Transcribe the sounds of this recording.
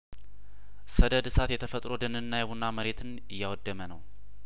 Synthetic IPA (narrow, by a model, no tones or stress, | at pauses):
səd̪əd̪sat̪jɛt̪ʰəfət̪ʼɾo̞d̪ənɨnːajɛβunːaməɾe̞t̪ʰɨn | ɨjːawɔd̪ːəmənəw